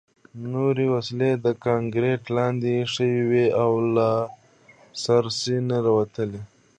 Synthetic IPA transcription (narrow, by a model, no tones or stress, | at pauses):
noɾewasiled̪əkɑŋɡɾeʈlɑnd̪iʂəwiweawla | saɾsinaɾawat̪əle